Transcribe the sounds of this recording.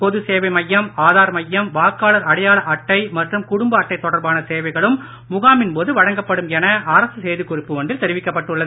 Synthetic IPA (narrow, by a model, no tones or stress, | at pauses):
pɔðɯseːʋɐɪmɐjːɐmaːðaːɾmɐjːɐmʋaːkaːlɐɾɐɽɐjaːɭɐʔɐʈːɐɪmɐʈrɯmkʊɽʊmbɐɐʈːɐɪt̪ːɔɽɐɾbaːnɐseːʋɐɪɣɐɭɯmː | ʊɣaːmɪnpoːðɯʋɐɻɐŋɡɐpːɐɽɯmɛnɐɐɾɐsɯseːðɯkʊrɪpːɯʋɐɳɖ̪ɪlt̪ɛɾɪʋɪkːɐpːɐʈːɯɭːɐðɯ